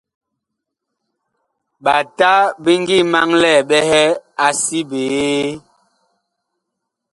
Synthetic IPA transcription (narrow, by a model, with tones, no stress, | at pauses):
ɓa˨ta˦bi˦ŋ˦ɡi˦˨ma˦ŋlɛ˦˨ɓɛ˦hɛ˦a˦si˦beː˨˦